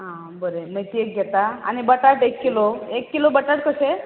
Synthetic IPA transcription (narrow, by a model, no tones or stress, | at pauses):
ɦã | bəɾemet̪iek̚ɡʱet̪aa̰ñibəʈaʈekːiloekːilobəʈaʈkəse